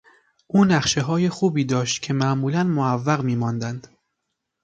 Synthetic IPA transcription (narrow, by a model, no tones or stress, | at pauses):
ʔuːnæχʃe̞ɦɒːje̞xuːbiːd̪ɒːʃt̪cʲʰe̞mæʔmuːlænmoævːæɣmiːmɒːnd̪ænd̪̥